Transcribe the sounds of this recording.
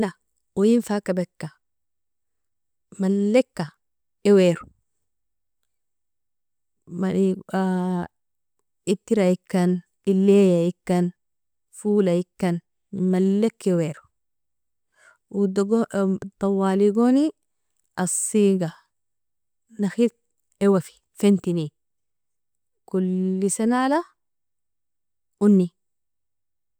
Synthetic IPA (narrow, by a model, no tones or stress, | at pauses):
na | ujinfakabekːa | malːekːa | eweɾu̥ | maa | it̪ːiɾaikːan | ilːejaikːan | fuːlaikːan | malːekːeweɾu̥ | ɡt̪ˤɑwːaːliɡoni | ʔɐsːiːɡa | naxik̚ | ewafi̥ | fent̪ini | kulːisanala | ʔunːi